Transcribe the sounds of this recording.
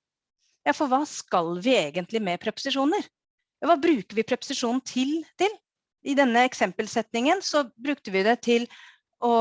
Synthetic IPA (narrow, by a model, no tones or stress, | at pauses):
jɑːfɔɾʋɑːskɑlʋɪeːɡənt̪lɪmɛpʰɾɛpʊ̥sɪʂuːnəɾ | jɑːʋɑːbɾʉːkəɾʋɪpʰɾɛpʊ̥sɪʂuːnn̩t̪ʰɪlt̪ɪl | ɪd̪ɛnːəɛksɛmpəlsɛt̪nɪŋənsɔbɾʉk̚t̪əʋɪd̪ɛt̪ʰɪl | ʔɔ